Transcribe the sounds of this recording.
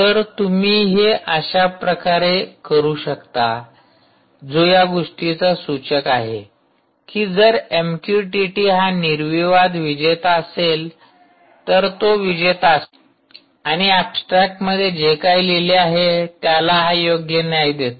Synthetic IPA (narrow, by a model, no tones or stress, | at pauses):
t̪əɾt̪umiːɦeʔəɕapɾəkaɾekəɾuːɕəkt̪a | d͡zojaɡoʂʈit͡sasut͡ɕəkaɦḛ | kiːd͡zəɾemkjuʈiʈiːɦaniɾʋiʋad̪ʋid͡ʑet̪əsel | t̪əɾt̪oʋid͡ʑet̪as | aɽ̃iapsʈɾak̚ʈməd̪ʱːjed͡ʑekajleleaɦet̪jalaɦajoɡjənjajd̪et̪